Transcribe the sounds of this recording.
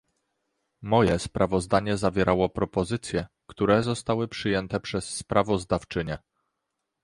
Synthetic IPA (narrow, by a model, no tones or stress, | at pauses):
mɔjɛspɾʔavɔzd̪aɲɛzavʲjɛɾʔawɔpɾɔpɔzɘt̪sʲjɛ | kt̪uɾɛzɔst̪awɘpʂɘjɛnt̪ɛpʂɛsːpɾavɔzd̪aft͡ʂɘɲɛ